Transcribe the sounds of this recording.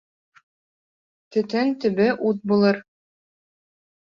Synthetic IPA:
t̪ɵ̆t̪ɘnt̪ɘ̆bɘʔut̪̚bulˠɤɾ

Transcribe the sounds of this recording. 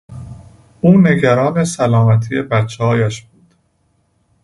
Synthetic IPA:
uːne̞ɡæɾɒːnesælɒːmæt̪ʰije̞bæt̪t͡ʃʰːehɒːjæʃb̥uːd̪̥

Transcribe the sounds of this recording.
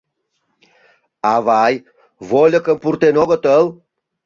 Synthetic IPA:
avaj | volʲəkəmpuɾt̪enɔɡət̪əl

